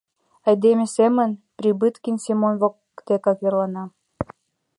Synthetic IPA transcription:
ɑjd̪emʲĕsemə̆npɾʲibɨt̪kinʲsʲimonvokː | t̪ekɑkjerlɑnɑ

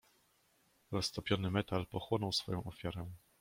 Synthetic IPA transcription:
ɾɔst̪ɔpʲjɔnɘmɛt̪alpɔxwɔnɔwsfɔjɔ̃w̃ʔɔfʲjaɾɛ

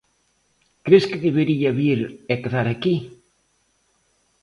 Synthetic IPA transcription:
kɾeskeðeβeɾiaβiɾekeðaɾaki

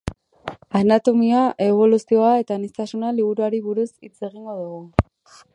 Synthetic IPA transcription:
anat̪omiaʔe̞β̞o̞lusio̞ae̞t̪anist̪asunaliβ̞uɾuaɾiβuɾusit͡se̞ɣiŋɡo̞ðuɣu

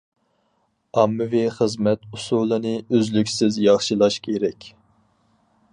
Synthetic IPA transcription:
ɑmːɨviχəzmɛt̪usulˠɨnɨøzlykʲsɪzjɑχʃɨlˠɑʃkʲʰeɾɛkʲ

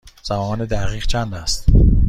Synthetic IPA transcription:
z̥æmɒːned̪æʁiːʁt͡ʃʰænd̪æst̪

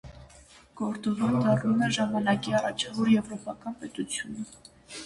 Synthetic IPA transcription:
ɡ̥ɔɾt͡sɔvumd̪ɑrnumɛʒɑmɑnɑkiɑrɑt͡ʃʰvɔɾjɛvɾɔpɑkɑnpɛt̪ut͡sʰjunə

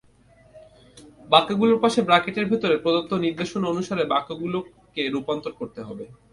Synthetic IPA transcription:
bakːaɡuloɾpaʃebɾakeʈeɾbʱit̪oɾepɾod̪ot̪ːoniɾd̪eʃononuʃaɾebakːaɡulo | keɾupant̪oɾkoɾt̪eɦɔbe

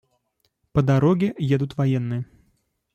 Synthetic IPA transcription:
pəd̪aɾɔɡʲɪjed̪ʊt̪vajɛnːɨjə

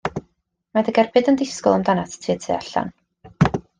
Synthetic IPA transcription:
madəɡɛrbɨdəndɪskɔlˠamdanattʰiːtʰḛaɬa̰n

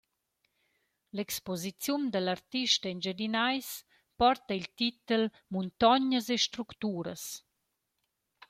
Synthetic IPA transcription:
lɛkspɔzit͡sjund̪əlaɾt̪iʃt̪əɛnd͡ʒed̪inajs | pɔrt̪əilt̪it̪əl | munt̪ɔɲəseʃt̪ɾukt̪uːɾə̰s

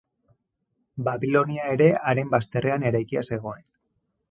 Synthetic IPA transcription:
baβilo̞niae̞ɾe̞aɾe̞mbast̪e̞re̞ane̞ɾajkiase̞ɣ̞o̞e̞n

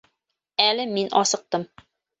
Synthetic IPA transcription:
ælɘminʔɒ̰sɤ̆q̚t̪ɤm

